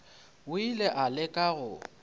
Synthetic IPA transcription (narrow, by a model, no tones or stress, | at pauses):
ʊileʔalɪkʼaɣʊ